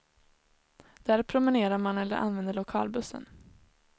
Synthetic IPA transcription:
d̪̥æːɾpʰɾʊmɪneːɾaɾmanɛlːə̰ɾʔa̰nvɛnd̪əɭʊkʰɑ̰ːlbɵsːə̰n

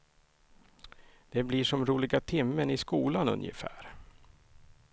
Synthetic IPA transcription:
d̪̥ɛblɪʂɔmɾuːlɪɡat̪ʰɪmːənɪskuːlanɵ̰njə̰fæ̰ːɾ

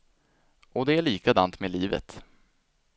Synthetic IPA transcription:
ɔd̪ɛæɭiːkad̪ant̪mɛliːvə̰t̪

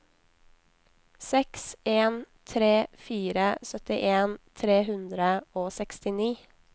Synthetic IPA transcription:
sɛkseːn | t̪ʰɾeːfiːɾəsœt̪ɪʔeːnt̪ʰɾeːhʉnd̪ɾəoːsɛkst̪ɪniː

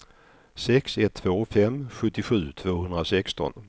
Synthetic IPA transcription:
sɛksɛt̪ʰːvoːfɛmːɧɵt̪ːɪɧʉ̟ːt̪ʰvoːhɵnd̪ɾasɛkst̪ɔ̰n

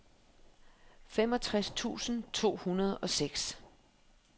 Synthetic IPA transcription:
fem̰ɒ̽t͡sʰʁast͡sʰṵːsn̩t͡sʰo̝̰ːhunɐð̞ˠɒ̽seɡ̥s

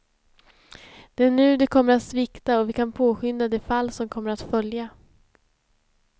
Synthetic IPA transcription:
d̪̥ɛæɳʉ̟ːd̪ɛkʰɔmːəɾat̪svɪkt̪aɔvɪkʰanpʰoːɧʏnd̪ad̪ɛfalːsɔmkʰɔmːəɾat̪fœlja

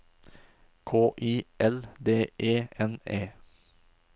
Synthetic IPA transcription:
kʰoːʔiːʔɛld̪eːʔeːɛneː

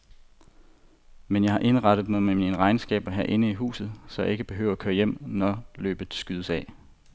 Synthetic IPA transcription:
menjɑ̈ɪhɑ̈ʔe̝nʁɑ̈d̥əð̞̩ˠmoðˠmemiinəʁɑ̈ɪnsɡ̥ɛ̰ːb̥ɐɦæɐ̰ʔe̝nəiɦṵːsð̩ˠsɒ̽jɑ̈e̝ɡ̥əb̥e̝ɦø̰ːʊɐækʰøːɐjem̰nɒlø̰ːb̥əð̩ˠsɡ̥yðˠəsɛ̰ː

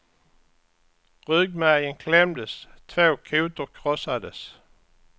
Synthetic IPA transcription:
ʁøɡmæjənkʰlɛmd̪əst̪ʰvoːkʰʉːt̪əʁkʰʁɔsad̪əs

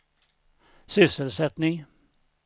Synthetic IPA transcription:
sʏsəlsɛt̪nɪŋ

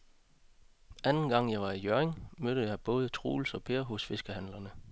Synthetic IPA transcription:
ænn̩ɡ̥ɑ̈ŋ̰jɑ̈ɪʋɑ̈ijøeŋmøɾ̥əjɑ̈ɪb̥ɔ̽ːð̞ˠət͡sʰʁṵːlsɒ̽pʰe̝ːɐɦɔsfe̝sɡ̥əhænlɐnə

